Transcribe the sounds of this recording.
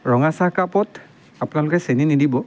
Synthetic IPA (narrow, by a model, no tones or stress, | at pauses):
ɹɔŋasakapɔt | apʊnalʊkɛseninidibɔ